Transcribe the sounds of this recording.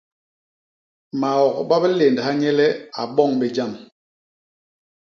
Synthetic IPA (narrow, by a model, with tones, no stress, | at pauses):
ma˨ɔ˨kɓa˦bɛ˦le˨ndha˦ɲɛ˦lɛ˦a˨ɓɔ˦˨ŋbe˨d͡ʒa˦˨m